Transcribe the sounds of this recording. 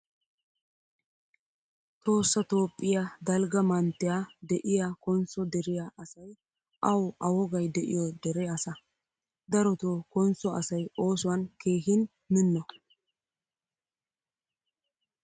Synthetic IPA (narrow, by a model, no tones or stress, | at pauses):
t̪o̞ːsːɐt̪o̞ːpʼːɪjad̪ɐlɡɐmɐnt̪ːɪjad̪ɛʔɪjakɔnsɔd̪ɛɾɪjaʔɐsɐj | ʔɐwʔɐwɔɡɐjd̪ɛʔɪ̰jɔd̪ɛɾɛɐsɐ | d̪ɐɾɔt̪okɔnt͡sːɔɐsɐjo̞ːsʊwɐnkeːhɪn | mɪnːɔ